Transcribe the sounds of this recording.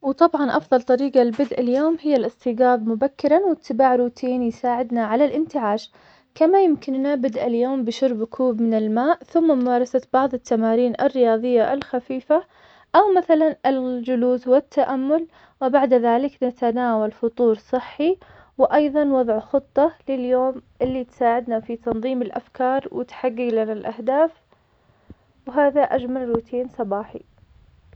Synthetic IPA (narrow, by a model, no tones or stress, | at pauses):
wt̪ˤɑbʕɑnʔɑfðˤɑlt̪ˤɑɾiːɡalbɪd̪ʔaljoːmhɪjːalʔɪst̪iːɡaːbmʊbakːɪɾanwɪt̪ʰːɪbaːʕɾuːt̪ʰiːnjsaːʕɪd̪naʕalalʔɪnt̪ɪʕaːʃ | kamajɪmkɪnːabɪd̪ʔaljoːmbɪʃʊɾbkʰuːbmɪnɪlmaːʔθʊmːamʊmaːɾˤɑsab̥ɑʕðˤɪt̪ːamaːɾiːnʔɪ̰rːɪjɑːðˤɨjːaʔɪlxafiːfa | ʔawmaθalanʔɪld͡ʒʊluːswɪt̪ːaʔamːʊl | wɪbaʕd̪ðaːlɪknat̪anaːwalfʊt̪ˤuːɾsˤɨħːi | wɪʔɑjðˤɑnwɑðˤʕxɨt̪ˤːɑlɪljoːmʔɪlːit̪saːʕɪd̪nafit̪ɑnðˤiːmɪlʔa̰fkɑːɾˤwʔɪ̰t̪ħaɡːɪɡlanalʔahd̪aːf | wɦaːðaʔad͡ʒmalɾuːt̪ʰiːnsˤɑbɑːħḭ